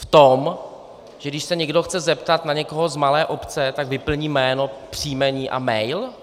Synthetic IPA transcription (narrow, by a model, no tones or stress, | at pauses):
ft̪om | ʒ̥ɛɡdɪʃsɛɲɛɡdoxt͡sɛzɛpt̪at̪naɲɛko̞ɦozmalɛːʔo̞pt͡sɛt̪aɡvɪpl̩ɲiːmɛːno̞pr̝̥iːmɛɲiːʔa̰mɛjl